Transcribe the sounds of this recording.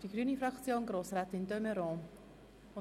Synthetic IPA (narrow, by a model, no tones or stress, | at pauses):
d̥iɡɾyːnifɾɑkt͡sjoːnɡɾoːsɾaːtɪndømɛɾɔ̃ː | ʊ